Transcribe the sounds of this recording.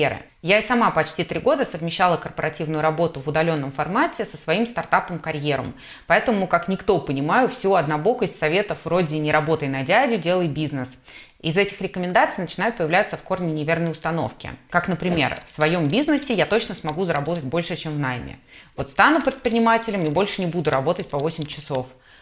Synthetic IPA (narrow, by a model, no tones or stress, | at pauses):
eɾɨ̰ | jaɪsɐmapɐt͡ɕtʲit̪ɾʲiɡo̞d̪əsəvmʲɪɕːalˠəkərpəɾɐtʲivnʊjʊɾɐbo̞t̪ʊvʊd̪ɐlʲo̞nːəmfɐrmatʲɪsəsvɐimst̪art̪apəmkɐɾʲjeɾə̰m | pɐɛt̪əmʊkaknʲɪkt̪o̞pənʲɪmajʊfsʲɪvoɐd̪nɐbo̞kʊɪsɐvʲe̞t̪əfvro̞dʲɪnʲɪɾɐbo̞t̪əjnɐdʲædʲʊdʲe̞lˠəjbʲiznɨs | izɛtʲɪxɾʲɪkəmʲɪnd̪at̪sɨjnət͡ɕɪnajʊt̪̚pəjɪvlʲat̪səfko̞rnʲɪnʲɪvʲe̞rnəjʊst̪ɐno̞̰fkʲɪ̰kaknəpɾʲɪmʲe̞̰rfsvɐjo̞mbʲiznəsʲɪjat̪o̞t͡ɕnəsmɐɡuzəɾɐbo̞t̪ət̚ʲbo̞lʲʂɨt͡ɕemvnajmʲɪ̰ | vo̞t̪st̪anʊpɾʲɪt̪̚pɾʲɪnʲɪmatʲɪlʲɪmibo̞lʲʂɨnʲɪbud̪ʊɾɐbo̞t̪ət̚ʲpɐvo̞sʲɪmʲt͡ɕɪso̞f